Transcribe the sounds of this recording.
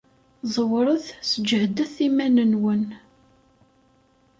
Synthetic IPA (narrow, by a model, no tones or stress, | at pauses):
zˤəwɾˤəðsəd͡ʒəʕd̪əθimænənwən